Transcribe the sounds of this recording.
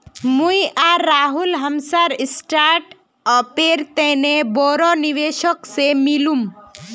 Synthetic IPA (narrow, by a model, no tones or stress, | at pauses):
mujaɾːaɦulɦəmsaɾisʈaɾʈ | ɔpeɾt̪enebɔɾɔniʋeʃɔksemilum